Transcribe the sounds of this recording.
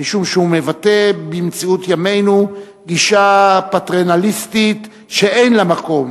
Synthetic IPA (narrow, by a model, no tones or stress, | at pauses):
iʃumʃeume̞vat̪e̞bimt͡siut̪jame̞jnu | ɡiʃapat̪ʁenalist̪it | ʃeejnlamako̞m